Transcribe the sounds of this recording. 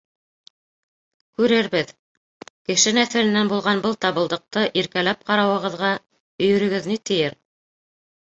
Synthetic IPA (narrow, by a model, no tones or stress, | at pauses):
kʉɾɘɾbɘð | kɘ̆ʃɘnæθæ̆lɘ̆nːænbulˠʁɑnbɤlˠt̪ɑβɤ̆lˠd̪ɤ̆q̚t̪ɤʔiɾkælæp̚qɑɾɑwɤ̆ʁɤ̆ðʁɑ | ɵ̆jɵ̆ɾɵ̆ɡɘðnit̪ɘ̆jɘɾ